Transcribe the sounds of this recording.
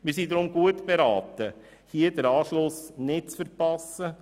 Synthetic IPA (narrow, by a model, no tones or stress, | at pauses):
mis̬idɾʊmɡuətb̥eɾɑːt̪ə | hiːdəɾɑːʃlʊsnɪd̚t͡sfəɾpɑsə